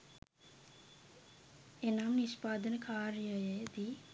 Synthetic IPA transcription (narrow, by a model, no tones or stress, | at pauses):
enamniʃpaːd̪ənəkaːɾjəjəd̪i